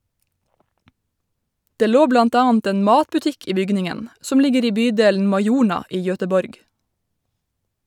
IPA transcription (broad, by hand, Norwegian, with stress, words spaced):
ˈdeː ˈloː ˈblɑnt ˈɑːɑnt ˈeːn ˈmɑːtpʉˌtɪk ˈiː ˈbʏɡnɪŋən ˈsɔm ˈlɪɡəɾ ˈiː ˈbyːˌdeːln̩ mɑɪˈjuːɳɑ ˈiː ˈjœtəˌbɔɾɡ